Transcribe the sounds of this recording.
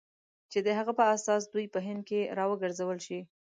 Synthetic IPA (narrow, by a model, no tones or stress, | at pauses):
t͡ʃed̪əɦaɣapəasɑs̬d̪ujpəɦɪnd̪̚keɾɑwəɡəɾzawəlʃi